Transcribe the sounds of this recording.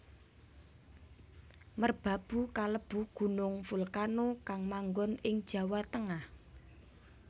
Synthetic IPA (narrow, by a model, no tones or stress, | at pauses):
mərb̥a̤b̥ṳkaləb̥ṳɡ̥ṳnʊŋfulkanokaŋmaŋɡɔnɪŋd̥ʒ̥ä̤wat̪əŋah